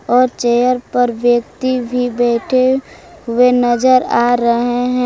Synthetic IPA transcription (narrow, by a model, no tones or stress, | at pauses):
ɔːɾt͡ʃejəɾpəɾʋjək̚t̪ibʱibɛːʈʰe | ɦʊenɐd͡ʒəɾaɾəɦeɦɛ̃